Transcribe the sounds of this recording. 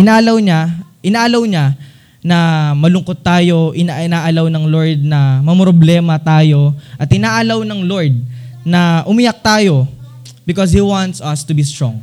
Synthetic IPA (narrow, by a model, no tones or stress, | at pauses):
ʔɪnaːlɐwɲaʔɪnaːlɐwɲa | nɐmɐlʊŋko̞t̪ːaːjo̞ʔɪnaʔɪnaːʔɐlawnɐŋloɹd̪̚nɐmɐmɾoblɛːmɐt̪aːjo̞ʔɐt̪ʔɪnaːʔɐlawnɐŋlo̞ɹd̪̚nɐʔʊmɪjɐk̚t̪aːjo̞ | bɪkɔshiwãnt̪sɐst̪ʊbist̪ɹõŋ